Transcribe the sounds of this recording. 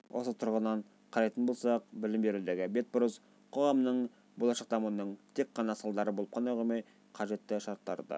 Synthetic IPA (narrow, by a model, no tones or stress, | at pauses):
wʔo̞̰sət̪ʰʊɾʁənɑɴ | qʰɑɾɑjt̪ənbo̞lˠsɑq̚bɪlɪmbe̞ɾud̪eɡʲɪbe̞t̪̚bʊɾəz | qʰo̞ʁɑmnəɴ | bo̞lˠɑʃɑq̚d̪ɑmuənəɴt̪ʰe̞k̚ːɑnɑsɑlˠd̪ɑɾəbolˠəp̚qʰɑnɑjʁomɑj | qʰɑʒe̞t̪ːɪʃɑɾt̪ːɑ̰ɾd̪ə̰